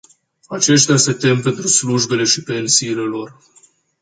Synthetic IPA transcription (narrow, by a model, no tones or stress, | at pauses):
at͡ʃe̞ʃt̪ease̞t̪e̞mpe̞nt̪ɾusluʒbe̞le̞ʃipe̞nsiːle̞lo̞r